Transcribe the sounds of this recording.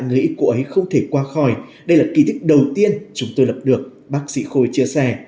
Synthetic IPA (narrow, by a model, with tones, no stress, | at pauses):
a̰˧˨jŋɨ˨ʔi˦ku˧˩əʔə˨˦jxə˧wŋ͡mt̪ʰe˧˩kwaː˧xɔ˧˩jɗə˧jlaː˨˩ki˧t̪ʰï˦˥k̟̚ɗə˨˩wt̪i˧ənt͡ɕʊ˨˦ŋ͡mt̪o˧jlə˨˩p̚ɗɨ˨˩ək̚ | ɓaː˦˥k̚sḭ˧˥xo˧jt͡ɕi˧əsɛ˧˩